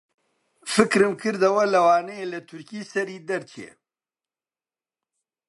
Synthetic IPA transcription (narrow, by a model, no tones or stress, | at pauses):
fɨkɾɨmkʰɨɾd̪ɐwɐlɐwaːnɛjelɐt̪ʰʊɾkiːsɐɾiːd̪ɐɾt͡ʃʰiḛ